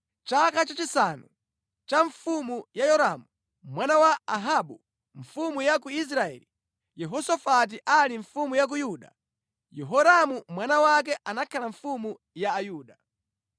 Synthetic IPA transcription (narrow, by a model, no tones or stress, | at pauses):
t͡ʃakat͡ʃat͡ʃisanṵ | t͡ʃaɱfumujajɔɾamu | mwanawaaɦaɓu | ɱ̩fumujak̬uis̬ɾaɛ̰li | jɛɦɔsɔfat̬iʔaliɱfumujak̬ujuɗa̰ | jɛɦɔɾamumwanawak̬ɛʔanakʰalaɱfumu | jaːjuːɗa